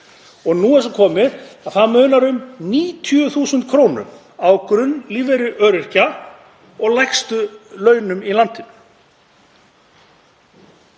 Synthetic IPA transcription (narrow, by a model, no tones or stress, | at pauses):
ɔɣnuːɛsɔkʰɔːmɪðaðθaðmœɥnaɾʏmniːt̪ʰjʏθuːsʏnt̪kʰɾoːwnʏ̰m | awkɾʏnːliːvɛɾʏʔœːɾɪr̥ca | ɔɣlajkst̪ʏlœːɥnʏmilant̪ɪnʏ